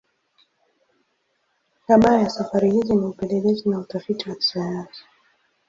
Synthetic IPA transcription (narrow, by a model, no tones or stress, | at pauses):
kaɓajasafaɾihiziniupɛlɛlɛzinautafitiwaki̥sajansi̥